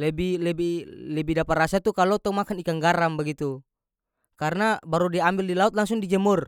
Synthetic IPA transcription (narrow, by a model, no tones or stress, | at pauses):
lɛbilɛbilɛbidapat̪rasat̪ukalɔt̪ɔumakanikaŋɡaɾambaɡit̪u | kaɾnabaɾudiambildilaut̪̚laŋsuŋdid͡ʒɛmur